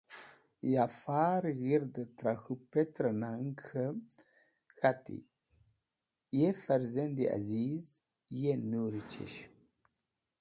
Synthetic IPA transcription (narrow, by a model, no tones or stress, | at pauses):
jafaɾɣiɾd̪ət̪ɾaxupet̪ɾənaŋxə | xatḭ | jefaɾzend̪ia̰ziz | jenuɾit͡ʃḛʃ